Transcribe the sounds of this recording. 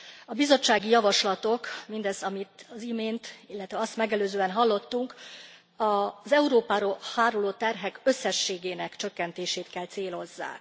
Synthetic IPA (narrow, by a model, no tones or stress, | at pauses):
ɒbizo̞t͡ʃːaːɡijɒvɒʃlɒt̪o̞kmind̪ɛzɒmit̪ɒzimeːnt̪ilːɛt̪ʋɛɒst̪mɛɡɛløːzøːɛnɦɒlːo̞t̪ːuŋk | ɒzɛuɾoːpaːɾoːhaːɾoloːt̪ɛrɦɛkø̞sːɛʃːeːɡeːnɛkt͡ʃø̞kːɛnt̪eːʃeːt̪kɛlt̪seːlo̞zːa̰ːk